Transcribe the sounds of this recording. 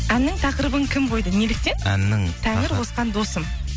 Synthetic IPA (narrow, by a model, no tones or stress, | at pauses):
ænːɪŋt̪ʰɑqɾəbəŋkʲʰɪmbo̞jd̪ənelɪk̚t̪e̞næ̰nːɪŋt̪ʰæŋɪɾwo̞sqɑnd̪o̞səm